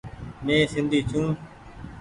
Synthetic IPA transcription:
mẽːsɪ̃nd̪ʱiːt͡ʃʰũː

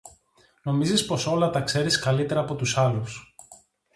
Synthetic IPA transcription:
no̞mizispo̞so̞lɐt̪ɐkse̞ɾiskɐlit̪e̞ɾɐːpo̞t̪usɐlus

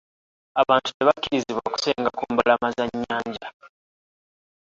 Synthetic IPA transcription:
aβaːntu̥ne̞βacːiɾiziβwaku̥se̞ːŋɡakuːmbalamazaɲːaːɲɟa

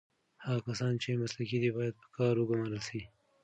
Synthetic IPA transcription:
haɣakasɑnt͡ʃemaslakid̪ibɑjad̪̚pə̥kɑɾwəɡamaɾəlsi

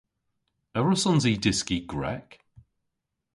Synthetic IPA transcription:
ɛvɹəsɔ̃nzidɪskiɡɹɛ̰k

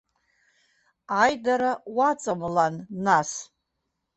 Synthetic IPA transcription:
ajdaɾawat͡sʼamlanːas

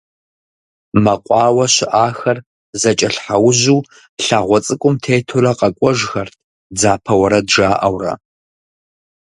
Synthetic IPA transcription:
mɐqʷʼɑːwɐɕɪʔaːxɐr | zɐt͡ʃʼɐɬħawʊʑuː | ɬaːʁʷɔt͡sʼɨkʷʼʊmtʰeːjtʰuɾɐqɐkʷʼɔʒxɐrtʰ | d͡zaːpʰɐwɐɾɐdʒaːʔɐwrɐ̰

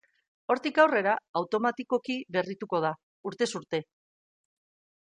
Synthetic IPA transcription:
o̞ɾt̪ikawre̞ɾaawt̪o̞mat̪iko̞kiβe̞rit̪uko̞ð̞a | uɾt̪e̞suɾt̪e̞

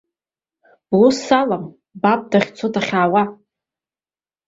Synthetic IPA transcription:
b̥usalam | bab̚daχʲt͡sʰodaχʲaːwa

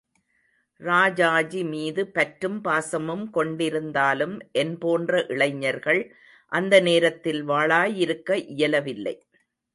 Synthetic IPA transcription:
ɾaːd͡ʒaːd͡ʒimiːðɯpɐʈɾɯmpaːsɐmɯmkɔɳɖɪɾɯnd̪aːlɯmʔɛnpoːndrɐʔɪɭɐɪɲːɐɾɣɐɭ | ʔɐnd̪ɐneːɾɐt̪ːɪlʋaːɭaːjɪɾɯkːɐʔɪjɐlɐʋɪlːɐ̰ɪ

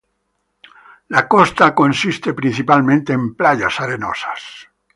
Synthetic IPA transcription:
lakost̪ako̞nsist̪epɾĩn̟θipalmẽnt̪eːmplaʎa̰saɾeno̰sḁs

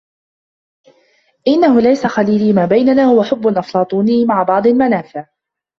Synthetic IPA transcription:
ʔɪnːahʊlajsaxaliːliːmaːbajnanaːhʊwaħʊbːʊlʔɑflɑːt̪ˤuːnɪjːmaʕabɑʕd̪ˤɪlmanaːfɪʕ

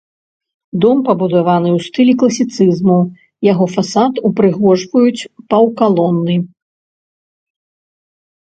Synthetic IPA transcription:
d̪ɔmpɐbud̪avanɨwst̪ɨlʲiklˠɐsʲit̪sɨzmu | jaɣɔfasat̪upɾɨɣɔʐvɐjut͡sʲpɐwkalˠɔnːɨ

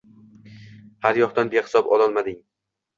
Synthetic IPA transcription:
haɾjɒχt̪anbehɪ̥sɒbɒlˠɒlˠmad̪ɪŋ

